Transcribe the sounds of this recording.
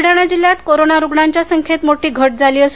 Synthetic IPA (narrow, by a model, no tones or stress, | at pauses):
ɽaɽ̃ad͡ʑiljat̪koɾonaɾuɡɳaɲt͡ɕjasəŋkʰet̪moʈiːɡʱəʈ̚d͡zʱaliːəs